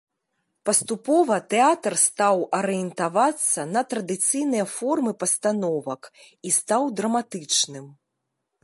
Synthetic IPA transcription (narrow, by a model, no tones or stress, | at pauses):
pɐst̪upɔvɐt̪ɛat̪ɐrst̪awɐɾɨjɛnt̪avat̪sːɐnɐt̪ɾɐd̪ɨt̪sɨjnɨjɐfɔrmɨpɐst̪anɔvɐk | ist̪awd̪ɾɐmat̪ɨt͡ʂnɨm